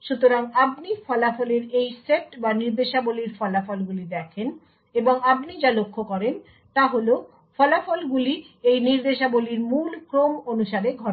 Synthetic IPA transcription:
ʃut̪oɾaŋap̚nifɔlafɔleɾejseʈbaniɾd̪eʃaboliɾfɔlafɔlɡulid̪ɛkʰen | eboŋapnid͡ʑalokʰːokɔɾen | t̪aɦolo | fɔlafɔlɡuli | ejniɾd̪eʃaboliɾmulkɾomonuʃaɾeɡʱɔ

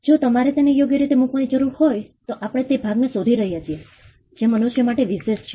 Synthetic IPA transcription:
d͡ʒot̪əmaɾet̪enejoɡjəɾit̪emukʋanid͡ʒəɾuɾhojt̪oʔapəɽ̃et̪ebʱaɡnesod̪ʱiɾəɦijat͡ʃʰie | d͡ʒemənuʃjəmaʈeʋiʃeʃt͡ʃʰe

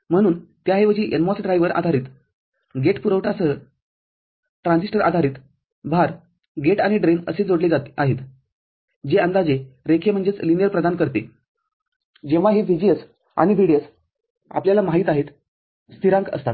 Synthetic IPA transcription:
m̤əɽ̃uːnt̪jaɦeʋəd͡ʑiʔenmɔsɖɾajʋəɾʔa̰d̪ʱaɾiːt̪ | ɡeʈpuɾəʋʈʰasəɦə | ʈɾãnsiʂʈəɾʔa̰d̪ʱaɾiːt̪ | bʱaɾ | ɡeʈaɽ̃iɖɾenəsed͡zoɽled͡zaaɦet̪ | d͡ʑeənd̪ad͡ʑeɾekʰem̤əɳnd͡zet͡slinijəɾpɾəd̪ankəɾt̪e | d͡ʑeʋ̤aɦifid͡ʑiəs | a̰ɽ̃iʋʱiɽijəs | a̰pljalamaɦiːt̪aɦet̪ | st̪ʰiɾãŋkə̰st̪at̪̚

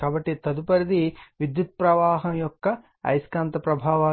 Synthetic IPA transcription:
kaːbɐʈːit̪ɐd̪upɐɾid̪iʋid̪jut̪̚pɾɐʋaːɦɐmjɔkːɐ | ɐ̰jskaːnt̪ɐpɾɐbʱaːʋaː

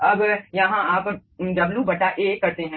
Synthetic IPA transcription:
ɐbjɐɦãaːpɖɐbljubʱɐʈaʔeːkɐɾt̪eɦɛ̃ː

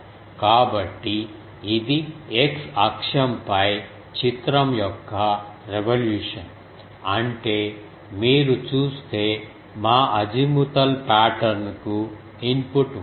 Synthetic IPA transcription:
kaːbɐʈːiː | d̪ieksɐkʂɐmpɐj | t͡ʃit̪ɾɐmjɔkːɐɾeʋɐljuːʂɐn | ɐɳʈeː | miːɾut͡ʃuːst̪e̞ː | maːʔɐd͡ʒimut̪ɐlpaːʈɐɾnku | inpuʈ

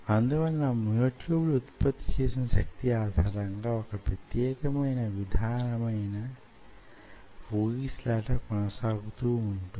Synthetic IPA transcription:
ɐnd̪uʋɐnːnamujoːʈjuːbluut̪pɐt̪ːi̥t͡ʃeːsinɐʃɐk̚t̪iaːd̪ʱaːɾɐŋɡaːɔkɐpɾɐt̪jɛːkɐmɐjnɐʋid̪ʱaːnɐmɐjnɐ | uːɡislaːʈɐkɔnɐsaːɡut̪uːɳʈu

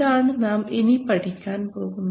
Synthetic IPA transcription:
aːɳɨnaːmenipɐʈikʲːaːnpoːɣunː

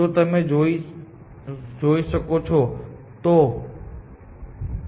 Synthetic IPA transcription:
ot̪ɐmẽd͡ʒoi | d͡ʒoːiʃəkot͡ʃʰɔ | t̪o

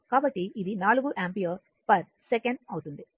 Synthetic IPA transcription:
kaːbɐʈːiɪðinaːɭɯɣɯʔaːmpijɐ | pɐɾ | sɛkɐɳɖ̚ɐʋɯt̪und̪i

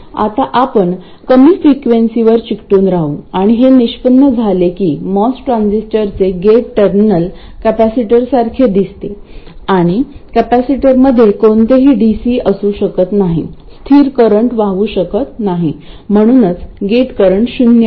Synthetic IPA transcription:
a̰t̪aʔapəɳ | kəmiːfɾikʋensiʋəɾt͡ɕikʈuːnɾaɦṵːaɽ̃iɦeniɕpənːəd͡zʱalekiːmɔsʈɾãnsisʈəɾt͡seɡeʈʈəɾminəl | kæpæsiʈəɾsaɾkʰed̪ist̪eaɽ̃ikæpæsiʈəɾməd̪ʱːjekont̪eɦiːɖisiːəsuːɕəkət̪naɦḭst̪ʰiːɾkəɾəɳʈʋaɦuɕəkət̪naɦi | m̤əɽ̃uːnət͡sɡeʈkəɾəɳʈɕunja

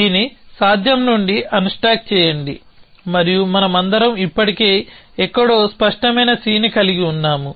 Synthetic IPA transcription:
iːnisaːd̪ʱjɐmnuɳɖiʔɐnuʂʈaːk̚t͡ʃɛːjɐɳɖi | mɐɾijumɐnɐmɐnd̪ɐɾɐmipːɐʈike̞ː | ɛkːɐɽoːspɐʂʈɐmɐjnɐsiːnikɐliɡiunːaːmu

